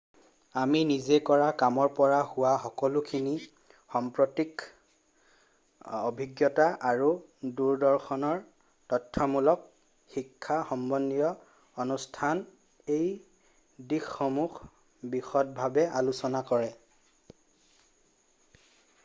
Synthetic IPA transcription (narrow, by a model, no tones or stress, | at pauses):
aminizekɔɹakamɔɹpɔɹahʊwaxɔkɔlukʰini | xɔmpɹɔtik | obʱiɡjɔtaʔaɹuduɹdɔɹxɔnɔɹ | tɔtʰːɔmulɔk̚ | xikʰːaxɔmbɔnːijɔ | ɔnustʰan | ej | dixːɔmux | bixɔt̚bʱabɛʔalusɔnakɔɹɛ